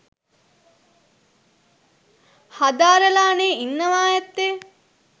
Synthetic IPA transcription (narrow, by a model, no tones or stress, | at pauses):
hɐd̪aːɾəlaːneːinːɐʋaːjɐt̪ːe